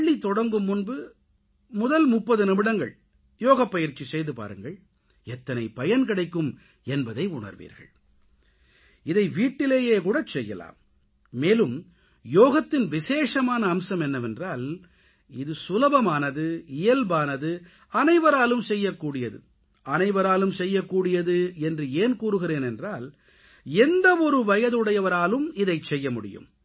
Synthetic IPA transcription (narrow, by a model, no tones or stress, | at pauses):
it̪ːɔɽɐŋɡɯmːʊnbɯ | mʊðɐlmʊpːɐðɯnɐmɪɽɐŋɡɐ̰ɭ | joːɣɐpːɐjɪɾt͡ʃːisɛjðɯpa̰ːɾɯŋɡɐɭ | ɛt̪ːɐnɐɪpɐjɐnkɪɽɐɪkːɯm | ɛnbɐðɐɪʊɳɐ̰ɾʋḭːɾɣɐ̰ɭ | ɪðɐɪʋiːʈːɪleːjeːkuːɽɐt͡ʃːɛjːɐ̰la̰ːmː | eːlɯm | joːɣɐt̪ːɪnʋɪseːʂɐmaːnɐːmsɐmɛnːɐʋɛndraːl | ɪðɯsʊlɐbɐmaːnɐðɯɪjɐlbaːnɐðɯ | ɐnɐɪʋɐɾaːlɯmsɛjːɐkːuːɽɪjɐðɯ̰ | ɐnɐɪʋɐɾaːlɯmsɛjːɐkːuːɽɪjɐðɯɛndrɯeːnkuːɾɯɣɪɾeːnɛndraːl | ɛnd̪ɐɔɾɯʋɐjɐðɯɽɐjɐʋɐɾaːlɯmɪðɐɪt͡ʃːɛjːɐmʊɽɪ̰jɯ̰m